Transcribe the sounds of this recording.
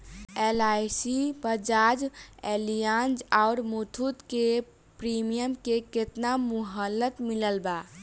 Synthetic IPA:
elajsibəd͡ʒad͡ʒelijãnd͡ʒaʊɾmut̪ʰut̪ke | pɾimijəmkeket̪namuɦəlːət̪miləlba

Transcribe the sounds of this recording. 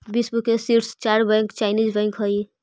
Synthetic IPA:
bisbukesiʈst͡ʃaɾbɛ̃ŋkt͡ʃaɪnizbɛ̃ŋkɦəi

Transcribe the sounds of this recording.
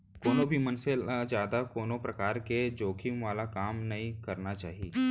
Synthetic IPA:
koːnõbʱimənselad͡ʒjaːd̪akoːnõpɾɐkaːɾked͡ʒoːkʰimʋaːlakaːmnɐɦĩkɐɾnat͡ʃaːɦieː

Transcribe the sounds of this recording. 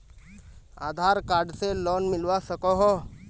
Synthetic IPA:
a̰ːd̪ʱaɾkaːɾɖselɔːnmɪlʋasəkoɦɔ

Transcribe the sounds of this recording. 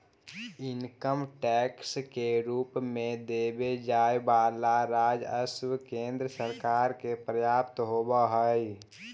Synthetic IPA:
inkəmʈɛkskeɾuːpmẽd̪ebed͡ʒajbalaɾad͡ʒəswkẽnd̪ɾəsəɾkaːɾkepɾəjaːpt̪ɦobəɦəj

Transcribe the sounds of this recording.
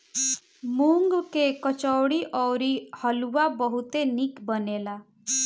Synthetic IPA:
muŋɡkekɔt͡ʃɔwɽiʔɔwɾihɔluwabɔɦut̪enikbɔnela

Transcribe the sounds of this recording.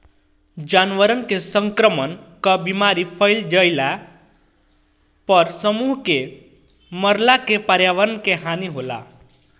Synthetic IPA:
d͡ʒanʋəɾənkesəŋkɾəmənkəbimaɾipʰəjld͡ʒəjla | pəɾsəmuɦke | məɾlakepaɾjaʋəɾnkeɦaniɦola̰

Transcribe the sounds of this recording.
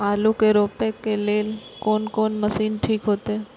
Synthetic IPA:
alukeɾoːpekːeleːlkoːnkoːnməsiːnʈʰiːkɦoːt̪e

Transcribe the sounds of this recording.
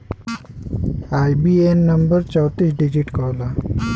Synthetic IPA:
ajbienːəmbəɾt͡ɕəwt̪iːsɖid͡ʑiʈkəwla

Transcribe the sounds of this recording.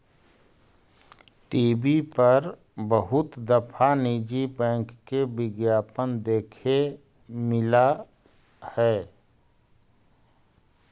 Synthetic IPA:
t̪iːbipəɾ | bəɦʊt̪d̪əpʰanid͡ʒipɛ̃ːŋkːebɪɡjaːpənd̪eːkʰe | mɪla | hɛː

